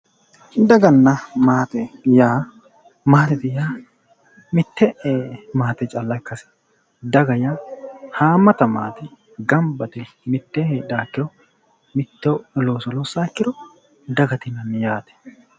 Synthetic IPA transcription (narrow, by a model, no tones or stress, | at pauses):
d̪ɐɡɐnːɐmaːt̪ɛjaː | maːt̪ɛt̪ɪjaː | mɪt̪ːɛʔmaːt̪ɛt͡ʃʼɐlːɐkːɐsɪ̥ | d̪ɐɡɐjaːhaːmːɐt̪ɐmaːt̪ɪ | ɡɐmbɐt̪ɪ | mɪt̪ːɛhɛːᶑaːkːɪɾɔ | mɪt̪ːoloːsɔloːsaːkːɪɾɔ | d̪ɐɡɐt̪ɪnɐnːɪjaːt̪ɛ̥